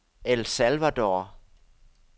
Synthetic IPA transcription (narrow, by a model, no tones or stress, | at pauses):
elsælʋæd̥ɒː